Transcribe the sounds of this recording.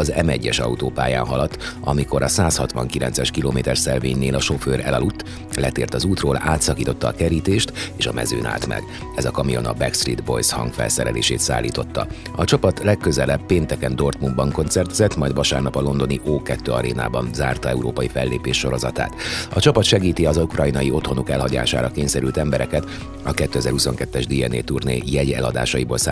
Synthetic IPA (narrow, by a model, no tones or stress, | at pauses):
ɒzɛmɛɟːɛʃɒ̰ut̪oːpaːja̰ːnɦɒlɒt̪ːɒmiko̞ɾʔɒsaːshɒt̪ʋɒŋkilɛnt̪sɛʃkiloːmeːt̪ɛrsɛlveːɲːeːlɒʃo̞føːɾɛ̰lɒlut̪ː | lɛt̪eːrt̪ɒzuːt̪roːlaːt̪sɒkiːt̪o̞t̪ːɒːkɛɾiːt̪eːʃt̪eːʃɒmɛ̰zøːna̰ːlt̪mɛ̰ɡ | ɛzɒkɒmijo̞nɒ̰bɛkst̪riːd̪bo̞̰jshɒ̰ŋɡfɛ̰lsɛɾɛlḛːʃeːt̪sa̰ːlːiːt̪o̞t̪ːɒ̰ | ɒt͡ʃɒpɒt̪lɛkːø̞zɛlɛbpːeːnt̪ɛkɛnd̪o̞rt̪mumbɒŋko̞nt̪sɛrt̪zɛt̪mɒjd̪vɒʃaːrnɒpɒlo̞nd̪o̞niʔoːkɛt̪ːøːɒɾeːna̰ːbɒnzaːrt̪ɒɛuɾoːpɒjifɛlːeːpeːʃːo̞ɾo̞zɒt̪a̰ːt̪ɒt͡ʃɒpɒt̪ʃɛɡiːt̪iɒzukrɒjinɒjio̞t̪ho̞nokɛlɦɒɟa̰ːʃa̰ːɾɒkeːɲsɛɾylt̪ɛmbɛɾɛkɛt̪ | ɒkɛt̪ːøɛzɛɾhuso̞ŋkɛt̪ːɛʒd̪iɛnḛːt̪urnḛːjɛɟɛ̰lɒd̪a̰ːʃɒjiboːlsa